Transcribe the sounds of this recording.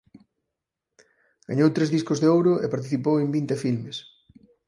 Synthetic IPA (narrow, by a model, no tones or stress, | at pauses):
ɡ̥aɲowt̪ɾezðiskʊzðeowɾʊepaɾt̪̬iθipowembint̪efilmes